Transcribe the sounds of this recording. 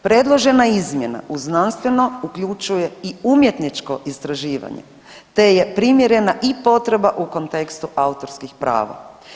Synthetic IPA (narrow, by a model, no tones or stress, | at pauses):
pɾe̞d̪lˠo̞ʒe̞naizmje̞na̰ʔuznanst̪ʋe̞no̞ukʎut͡ʃuje̞iumjet̪nit͡ʃko̞ʔist̪ɾaʒiːʋa̰ɲḛ | t̪e̞je̞pɾimjeɾe̞naʔipo̞t̪ɾe̞baʔuko̞nt̪e̞kst̪uʔaut̪o̞ɾskixpɾa̰ːʋa̰